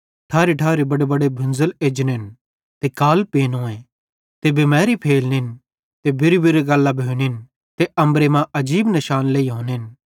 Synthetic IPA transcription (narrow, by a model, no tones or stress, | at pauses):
ʈʰaːɾiʈʰaːɾebɐɽebɐɽebʱʊ̃nzəleːd͡ʒnɪn | t̪ekaːlpeːnõːẽ | t̪ebemɛːɾipʰeːlnɪn | t̪ebɪɾibiɾeɡɐlːabʱoːnɪn | t̪eɐ̃mbɾemãʔɐd͡ʒiːbnɐʃaːnleːiɦõːnɪn